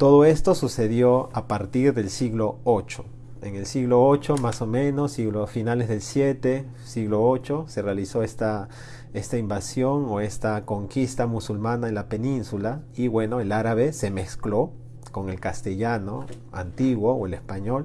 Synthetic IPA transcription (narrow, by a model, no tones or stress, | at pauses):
t̪oðoest̪osuseðjoapaɾt̪iɾðelsiɣloot͡ʃo̥ | eŋelsiɣloot͡ʃomasomẽnosiɣlofinalezðelsjet̪e | siɣloot͡ʃoserealisoest̪a | est̪aimbasjoŋoest̪akoŋkist̪amusulmanaenlapenĩnsulaiβwenoelaɾaβese̞mesklo | koŋe̞lkast̪eʝano | a̰nt̪iɣwooelespaɲol